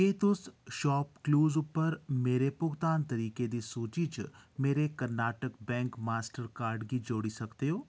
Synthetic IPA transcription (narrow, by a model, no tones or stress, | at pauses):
jeːt̪ʊsʃɔːpkluːzʊpːəɾmeːɾepʊɣt̪aːnt̪ɐɾiːked̪isoːt͡ʃit͡ʃmeːɾekɐɾnaːʈəkbɛ̃ːŋkmaːsʈəɾkaːɾɖɡid͡ʒoːɽisɐkt̪eɦoː